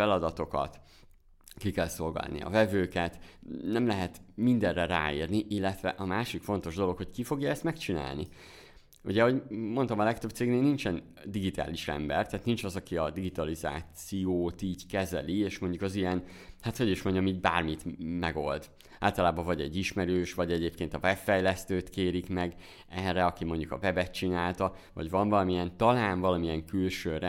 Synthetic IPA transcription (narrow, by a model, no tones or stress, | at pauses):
fɛlɒd̪ɒt̪o̞kɒ̰t̪ | kikɛlso̞lɡɒ̰lnḭɒ̰vɛvøːkɛt̪nɛmlɛɦɛt̪mind̪ɛrːɛɾa̰ːiːrniʔilːɛt̪vɛʔɒmaːʃikfo̞nt̪o̞ʒd̪o̞lo̞kho̞ckifo̞ɡjɒɛst̪mɛkt͡ʃina̰ːlnḭ | uɟɛɦo̞ɟmo̞nt̪ɒmɒlɛk̚t̪øbt̪seːɡneːlnint͡ʃɛn | d̪iɡit̪a̰ːliʃrɛ̰mbɛ̰rt̪ɛːt̪nint͡ʃɒzɒkiɒd̪iɡit̪ɒliza̰ːsijoːt̪iːɟkɛzɛlieːʃmo̞ɲɟukɒzijɛn | hat̪ho̞ɟiʃmo̞ɲɟɒmiːɟba̰ːrmit̪mɛɡo̞ld̪ | a̰ːlt̪ɒlaːbɒvɒɟɛ̰ɟːiʃmɛɾøːʃvɒɟɛɟeːp̚keːnt̪ɒvɛbfɛjlɛst̪øːt̪keːɾikmɛɡ | ɛrːɛɒkimo̞ɲɟukɒ̰vɛbɛt̪̚t͡ʃinaːlt̪ɒ | vɒ̰ɟvɒɱvɒlɒmijɛnt̪ɒlaːnvɒlɒmiɛŋkylʃøːrɛ